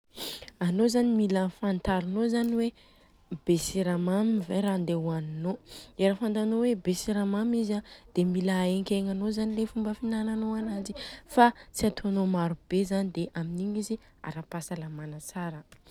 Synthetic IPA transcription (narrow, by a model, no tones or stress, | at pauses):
anozanimilafant̪aɾunozaniwe | besiɾamamivaɾand̪ewaninoeɾafant̪anowebesiɾamamizad̪̥emilaeŋkʲeŋanozanilefumbəfinananoanad͡zifat͡siat̪ʰoanomaɾub̥ezanid̪eʔaminiɲizi | a̰ɾapasalamanat͡saɾə